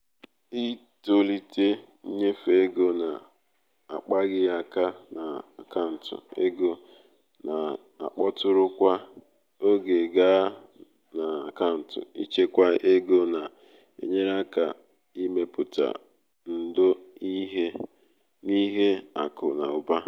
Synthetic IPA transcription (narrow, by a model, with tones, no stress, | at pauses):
i˦ | to˨li˦te˦ | ɲe˦fe˦ɡo˦na˨ | a̰˨k͡pa˦ɣɪ˦ja˨ka˦na˨ka˦n̩˨tʊ̰˨ḛ˦ɡo˦ | na˨ | a̰˨k͡pɔ˦tʊ˦ɾʊ˦kʷa˦ | o˦ɡe˨ɡa˦ | na˨a˨ka˦n̩˨tʊ̰˨ḭ˦t͡ʃe˦kʷa˦e˦ɡo˦na˨ | ḛ˨ɲe˦ɾa˦ka̰˨ | i˦me˦pʊ˨ta̰˨ | n̩˨do˦i˦ɦe˦ | ni˦ɦe˦a̰˨kʊ̰˨na̰˨ʊ˨ba˦